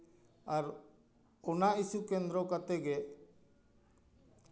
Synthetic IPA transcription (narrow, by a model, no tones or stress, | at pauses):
aɾ | ɔnaisukɛnd̪ɾɔkat̪ɛɡɛ